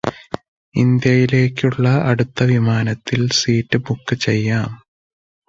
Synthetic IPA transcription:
ind̪jɐjile̞ːkʲːuɭːɐɐɽut̪ːɐʋimaːnɐt̪ʰːilsiːtːɨbukːɨt͡ɕejːaːm

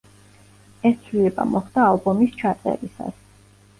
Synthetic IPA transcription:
ɛst̪sʰwlilɛba̰mɔχd̪̥aːlbɔmist͡ʃʰat̪ʼɛ̰ɾisa̰s

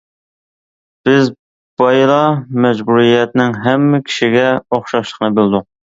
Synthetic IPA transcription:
b̥ɪz | bɑjlˠɑmɛd͡ʒbuɾijɛt̪nɪŋɦɛmːɪkʲʰi̥ʃiɡʲɛoχʃɑʃlˠə̥qnɨbelˠd̪u

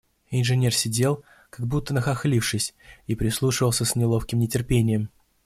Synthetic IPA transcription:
ɪnʐɨnʲe̞rsʲɪdʲe̞lˠ | kaɡ̚but̪ːənəxɐxlʲifʂɨsʲipɾʲɪslˠuʂɨvəlˠsʲəsnʲɪlˠofkʲɪmnʲɪtʲɪrpʲenʲɪjəm

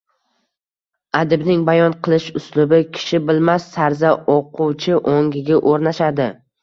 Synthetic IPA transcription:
ad̪ɪbnɪŋbajɒnqʰɨlˠɪʃʊslʊbɪkʲʰɪ̥ʃɪbɪlmasːaɾzaoqʰʊwt͡ʃʰɪʔoŋʲɪɡʲaʔoɾnaʃad̪ɪ

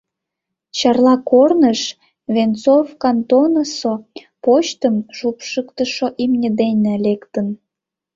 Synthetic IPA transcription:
t͡ɕɑrlɑkornəʃ | βent͡sovkɑnt̪onəso | poɕt̪əmʒupʃəkt̪əʃoʔimnʲəd̪enʲelekt̪ən

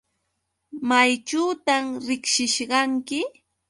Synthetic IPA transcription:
majt͡ʃuːt̪amɾɪkʃɪʃɢɑŋkɪ

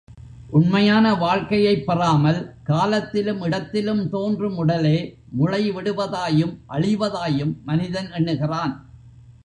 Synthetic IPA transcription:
ʔʊnmɐjaːnɐʋaːɻkɐjɐɪpːɐraːmɐlkaːlɐt̪ːɪlɯmɪɽɐt̪ːɪlɯmt̪oːndrɯmʊɽɐleː | mʊɻɐɪʋɪɽɯʋɐðaːjɯmʔɐɻɪʋɐðaːjɯmːɐnɪðɐnɛɳːɯɣɪraːn

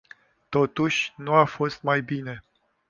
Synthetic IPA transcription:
t̪o̞t̪uʃʲnuafo̞st̪majbine̞

